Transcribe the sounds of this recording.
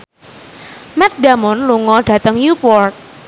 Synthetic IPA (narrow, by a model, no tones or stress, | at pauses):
mɛt̪̚damɔnluŋɔɖ̥ä̤t̪əŋnupɔrt̪̚